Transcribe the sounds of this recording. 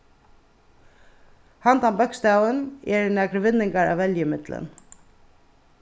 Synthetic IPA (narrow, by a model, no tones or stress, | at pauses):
hant̪anbœkst̪aːwənɛɹnæːkɾʋɪnːɪŋkaɾa̰ʋːɛljəmɪt̪lɪ̰n